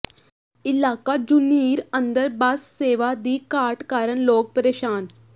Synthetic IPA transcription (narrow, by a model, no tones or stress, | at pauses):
ilaːkad͡ʑuniːɾənd̪əɾbaːsseːʋad̪iːkaːɾʈkaɾəɳloːk̚pəɾeɕaːn